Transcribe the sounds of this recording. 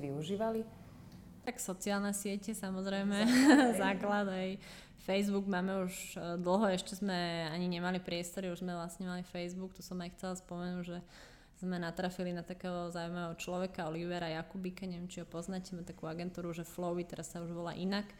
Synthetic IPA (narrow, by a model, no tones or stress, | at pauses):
ʋiuʒiːʋali | t̪aksɔt͡siaːlnɛsɪɛcɛsamɔzɾɛjmɛzaːklad̪ɦɛj | fɛjzbuɡmaːmɛuʒd̪l̩ˠɦɔɛʃcɛzmɛaɲiɲɛmalipɾɪɛst̪ɔɾiuʒzmɛʋlasɲɛmalifɛjzbukt̪ɔsɔmajxt͡sɛlaspɔmɛnuːɟʒɛ | z̥mɛnat̪ɾafilinat̪akɛːɦɔɔzaːujmaʋɛɦɔt͡ʃlɔʋɛkaɔliʋɛɾajakubikaɲɛʋjɛmt͡ʃiɦɔpɔznacɛmɛt̪akuːaɡɛnt̪uːɾuʒɛflɔit̪ɛɾasːauʒʋɔla̰ʔinak